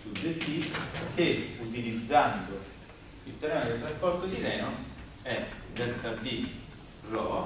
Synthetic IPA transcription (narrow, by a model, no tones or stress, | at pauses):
sudːet̪ːiːvkeut̪ilid̪zːand̪o | sit̪ːɛɾɛːmad̪et̪ɾaspɔɾt̪od̪iɾɛːɔns | ɛd̪ɛst̪avi | rɔːa